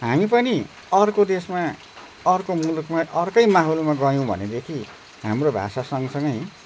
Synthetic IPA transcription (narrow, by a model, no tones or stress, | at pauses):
ɦamipʌni | ʌrkod̪esma | ʌrkomulukmaʔʌrkʌjmaɦolmaɡʌjõbʱʌ̰ned̪ekʰi | ɦamrobʱa̰sasʌŋʌsʌŋɡʌj